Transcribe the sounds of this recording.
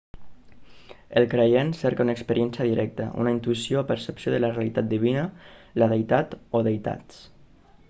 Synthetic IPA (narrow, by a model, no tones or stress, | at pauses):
elˠkɾejensɛɾkaunaekspəɾjɛnsjəðiɾɛk̚t̪ə̰ʔṵnaint̪uisjoːpəɾsəpsjoðələrealit̪at̪̚d̪iβ̞inəlaðejt̪at̪oðejt̪a̰t